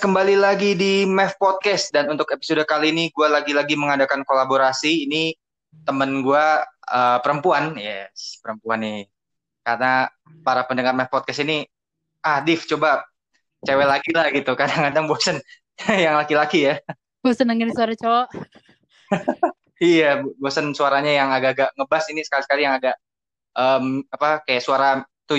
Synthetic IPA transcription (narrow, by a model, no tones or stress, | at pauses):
kəmbalilaɡidimɛfpɔt̪̚kɛst̪̚danunt̪ʊkepi̥sodakaliːniɡualaɡilaɡiməŋadakankolaboɾasiːni | t̪əmənɡuaəːpəɾəmpuanjɛspəɾəmpuanɪ | kaɾna | paɾapəndəŋarmɛfpɔt̪̚kɛstini | ahdɪft͡ʃoba | t͡ʃawɛlaɡilahɡit̪ukadaŋkadaŋbosən | jaŋlakilakija | bosənaŋənisuaɾat͡ʃɔʔ | ijabbosənsuaɾaɲajaŋaɡaɡaʔŋəbasinisə̥kalisə̥kalijaŋaɡaʔ | ʔəmapakajaʔsuaɾa | t̪u